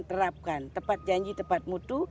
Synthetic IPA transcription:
nt̪əɾap̚kant̪əmpat̪̚d͡ʒaɲd͡ʒit̪əmpat̪̚mut̪u

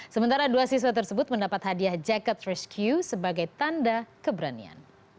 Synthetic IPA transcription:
səmənt̪aɾaduasis̬wat̪̬ərsəbʊt̪̚məndapat̪hadiahd͡ʒakət̪̚rɛskʰjusəbaɡajt̪andakəbəɾanḭa̰n

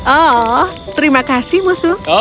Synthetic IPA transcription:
ɔt̪əɾimakasɪhmusu

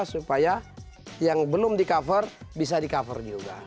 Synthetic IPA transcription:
supaja | jaŋbəlʊmdikafərbis̬adikafə̰rd͡ʒuɡa̰

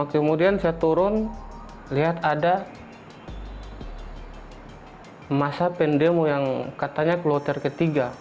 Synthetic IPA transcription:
kəmudiansajat̪uɾʊn | liɦat̪ada | masapɛndɛmojaŋkat̪aɲaklɔt̪ɛrkət̪iɡa

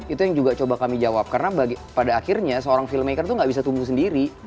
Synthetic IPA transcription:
it̪ujaŋd͡ʒuɡat͡ʃobakamid͡ʒawap̚karnabaɡipadaːkirɲasəoɾaŋfiləmekərt̪uŋɡaʔbisat̪umbusəndiɾi

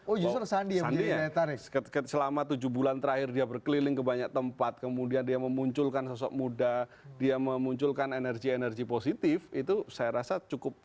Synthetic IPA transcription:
od͡ʒusəsandiandiaaɾəkəsəlamat̪ud͡ʒubulant̪əɾahɪrdiabərkəlilɪŋkəbaɲak̚t̪əmpat̪̚kəmudiandiaməmuɲt͡ʃʊlkansɔsɔ̰k̚mudadiaməmuɲt͡ʃʊlkanenɛrɡienɛrɡiposit̪ɪfit̪usajaɾasat͡ʃukʊp̚

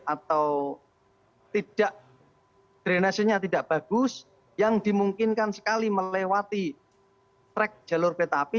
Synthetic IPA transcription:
at̪aw | t̪id̥aʔ | d̪̥ɾenasiɲat̪idaʔb̥a̤ɡ̥ʊs | jaŋd̥i̤muŋkɪnkansə̥kaliməewat̪i | sɾɛk̚ʒ̥a̤lʊrpet̪api

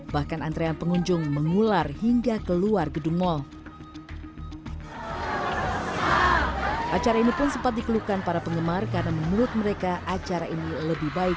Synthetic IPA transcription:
bahkanant̪ɾeanpəŋuɲd͡ʒʊŋməŋularhiŋɡakəluarɡəduŋmɔl | ʔat͡ʃaɾainipʊnsəmpat̪̚dikəlukanpaɾapəŋɡəmarkaɾənamənuɾʊt̪̚məɾekaʔat͡ʃaɾaʔiniləbɪhbaɪ

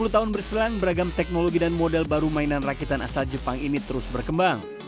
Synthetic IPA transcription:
ulut̪aɦʊnbərsilaŋbəɾaɡamt̪ɛk̚noloɡidanmodɛlbaɾumainanrakit̪ana̰sald͡ʒəpaŋinit̪əɾʊsbərkəmbaŋ

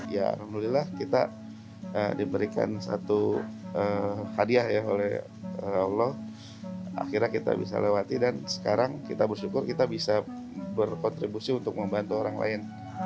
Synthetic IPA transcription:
jaa̰lhamdulilahkit̪a̰ | ədibəɾika̰nsa̰t̪uəhadiahjaɦo̰lɛh | əalɔh | a̰xirɲakit̪a̰bḭsa̰lewat̪idansə̥kaɾaŋkit̪abərʃukʊrkit̪abisa | bərkɔnt̪ɾibusiunt̪ʊk̚məmbant̪uoɾaŋla̰ɪn

